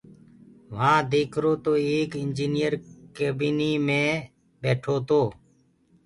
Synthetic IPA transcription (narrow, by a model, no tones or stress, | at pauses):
ʋ̤ãːd̪eːkʰɾoːt̪oːeːkɪnd͡ʒiːnɪjəɾkeːbiːniːmẽː | beːʈʰoːt̪oː